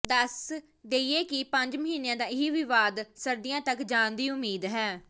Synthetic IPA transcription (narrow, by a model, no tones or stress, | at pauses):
d̪əs | d̪eːieːkɪpəɲd͡ʒməɦiːnejãːd̪aːɪɦiʋɪʋaːd̪səɾd̪ɪjãːt̪əkd͡ʒãːnd̪iːʊmiːd̪ɦɛː